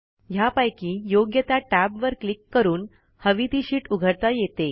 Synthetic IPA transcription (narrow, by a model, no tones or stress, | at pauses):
ɦjapajkiːjoɡjət̪aʈæbʋəɾklikːəɾuːn | həʋit̪iɕiːʈuɡʱəɾt̪ajet̪e